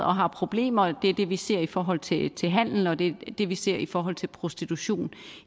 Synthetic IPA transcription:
ɒ̽ɦɑ̈pʰʁo̝b̥le̝̰ːmɐd̥e̝æɐd̥e̝ʋise̝̰ɐ̰ifɒːɦɒ̽l̰t͡sʰe̝t͡sʰe̝lɦæn̰l̩ɒ̽d̥e̝d̥e̝ʋise̝ɐ̰ifɒːɦɒ̽l̰t͡sʰe̝lpʰʁo̝sd̥it͡sʰuɕo̝̰ːn

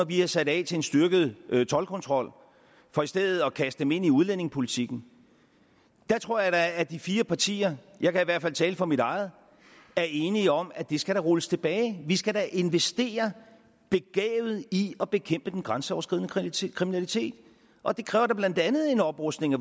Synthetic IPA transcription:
ɒʋihɑsæɾ̥ɛ̰ːt͡sʰe̝ensd̥yɐɡ̥ð̩ˠt͡sʰɒ̽lkʰɔ̽nt͡sʰʁɒ̽l̰ | fɒ̽isd̥eð̰̩ˠɒ̽kʰæsd̥ə̥d̥eme̝n̰iuðˠlen̰e̝ŋpʰo̝lit͡sʰiɡ̥n̩ | d̥ɑ̈t͡sʰʁo̝ɐ̰jɑ̈ɪdɑːd̥ifiːɐpʰɑ̈t͡sʰḭːɐ | jɑ̈ɪkʰæiʋæɐ̥fæl̰t͡sʰɛːləfɒ̽miɾɑ̈ɪð̞̩ˠ | æɐe̝ːniɒ̽mæd̥e̝sɡ̥æɾæʁɔləst͡sʰe̝b̥ɛːɪʋisɡ̥æɾæʔe̝nʋesd̥e̝̰ːɐ | b̥e̝ɡ̥ɛ̰ːʊð̞̩ˠiɒ̽b̥e̝kʰem̰b̥əd̥enɡ̥ʁɑ̈nsəɒʊɐsɡ̥ḭð̰ˠnəkʰʁiminælit͡sʰe̝̰ːd̥ | ʔɒ̽d̥e̝kʰʁɛːʊɐɾɑb̥læn̰d̥ænð̞̩ˠe̝nɒ̽b̥ʁɔsd̥ne̝ŋæ

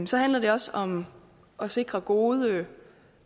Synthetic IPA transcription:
sɒ̽ɦænlɐde̝ɒ̽sɒ̽m | ʔɒ̽se̝ɡ̥ʁɐɡ̥o̝ːð̞ˠə

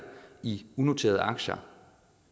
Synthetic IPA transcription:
iuno̝t͡sʰe̝ːɐðˠʔɑ̈ɡ̥ɕɐ

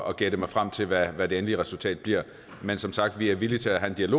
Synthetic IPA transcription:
ɒ̽ɡ̥eɐd̥emɑ̈ɪfʁam̰t͡sʰe̝lʋæʋæd̥e̝enliʁɛsult͡sʰɛ̰ːd̥̚b̥liɐ̰ | mensɒ̽msɑ̈ɡ̥d̥ʋiæɐʋilit͡sʰe̝æɦænd̥iælo̝

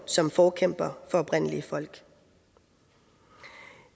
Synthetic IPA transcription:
sɒ̽mfɒːkʰem̰b̥ɐfɒ̽ɒ̽b̥ʁen̰əliəfɒ̽l̰ɡ̥

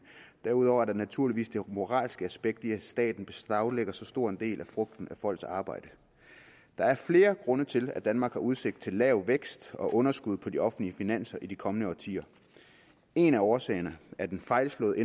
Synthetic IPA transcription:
d̥æɐuð̞ˠɒʊ̰ɐd̥ɑnæt͡sʰuɐ̰liʋḭːsd̥e̝mo̝ʁɑ̰̈ːlsɡ̥əæsb̥eɡ̥̚d̥iæsd̥ɛ̰ːd̥n̩b̥e̝sɑ̈ʊleɡ̥ɐsɒ̽sd̥o̝ɐ̰e̝nd̥e̝̰ːlʔæfʁɔ̽ɡ̥̚d̥n̩æfɒ̽l̰ɡ̥sɑ̈ːb̥ɑ̈ɪ̰d̥ə | d̥ɑ̈æɐfle̝ːɐɡ̥ʁɔ̽nɐt͡sʰe̝læd̥ænmɑ̈ːɡ̥hɑ̈ʔuð̞ˠse̝ɡ̥̚d̥̚t͡sʰe̝lːɛʊʋeɡ̥sd̥ɒ̽ʔɔ̽nɐsɡ̥uð̞ˠpʰɒ̽d̥iɒ̽fn̩liəfinæn̰sɐʔid̥ikʰɒ̽mənəɒːt͡sʰḭːɐ | e̝næɒːsɛ̰ːɪɐnəæɐd̥enfɑ̈ɪlslɔ̽ːe

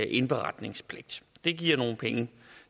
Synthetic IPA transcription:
ʔe̝nb̥eʁɑ̈d̥ne̝ŋspʰle̝ɡ̥̚d̥d̥e̝ɡ̥iɐ̰no̝ːn̩pʰeŋə

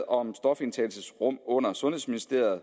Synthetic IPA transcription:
ɒ̽msd̥ɒ̽fe̝nt͡sʰɛ̰ːlsəsʁɔ̽m̰ɔ̽n̰ɐsɔ̽nhe̝sminisd̥e̝̰ɐ̰ð̩ˠ

